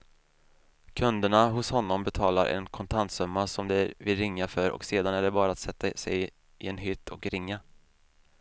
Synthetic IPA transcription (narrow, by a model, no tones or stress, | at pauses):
kʰɵnd̪əɳaɦʊshɔnːɔmbɛt̪ʰɑːlaɾʔɛ̰nkʰɔnt̪ʰant̪sɵmːasɔmd̪ɛvɪlɾɪŋːafœɾʔɔ̰kseːd̪anæɖɛbɑːɾaːt̪sɛt̪ːasɛjɪ | ʔɪɛnɦʏt̪ʰːɔkɾɪŋːa